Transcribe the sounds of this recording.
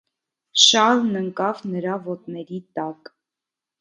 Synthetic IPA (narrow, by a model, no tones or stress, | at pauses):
ʃɑlnəŋkɑvnəɾɑvɔt̪nɛɾit̪ɑk